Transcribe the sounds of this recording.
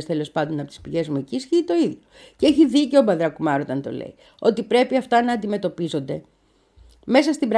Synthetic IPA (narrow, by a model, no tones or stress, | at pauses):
st̪e̞lo̞spɐnd̪o̞nɐpo̞t̪i̥spiʝe̞zmuecisçit̪o̞iðjoceeçiðice̞obɐðɾɐkumɐɾot̪ɐnt̪o̞̰lḛi | o̞̰t̪ipɾe̞piɐft̪ɐnɐːnd̪ime̞t̪o̞pizo̞nd̪e̞ | me̞s̬ɐst̪ibɾ